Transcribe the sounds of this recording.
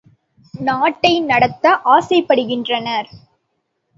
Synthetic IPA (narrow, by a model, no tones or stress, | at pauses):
naːʈːɐɪnɐɽɐt̪ːɐʔaːsɐɪpːɐɽɯɣɪndrɐnɐɾ